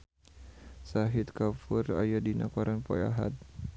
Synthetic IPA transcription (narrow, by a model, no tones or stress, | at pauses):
saɦit̪kafura̰jadina̰kɔɾanpɔ̰ja̰ɦa̰t̪̚